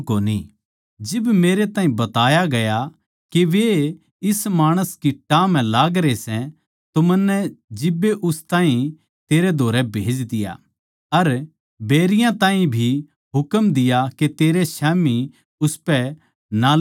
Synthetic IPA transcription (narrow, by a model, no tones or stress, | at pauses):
koːnḭ | d͡ʒɪbmeːɾet̪ãːɦĩbɐt̪aːjaɡɐja | keʋe | ɪsmaːɽ̃əskiʈãːmɛ̃laːɡɾesɛ̃ | t̪omɐnːɛd͡ʒɪbːeʔʊst̪aːɦĩ | t̪eːɾed̪ʱoːɾɛbʱeːd͡ʒd̪ɪja̰ | ɐɾ | beːɾɪjãt̪ãːɦĩbʱi | ɦʊkəmd̪ɪjaket̪eːɾeʃɛːmi | ʊspɛ | na